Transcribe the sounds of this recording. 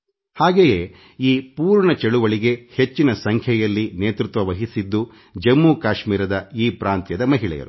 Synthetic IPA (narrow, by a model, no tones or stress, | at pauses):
haːɡejeː | iːpuːɾɳɐt͡ʃeɭuʋɐɭiɡe̞he̞t͡ʃːinɐsɐŋkʰjɛjɐlːineːt̪ɾut̪ʋɐʋɐɦisid̪ːu | d͡ʒɐmːuːkaːʃmiːɾɐd̪ɐiːpɾaːnt̪jɐd̪ɐmɐɦiɭɛ̰jɐ̰ɾu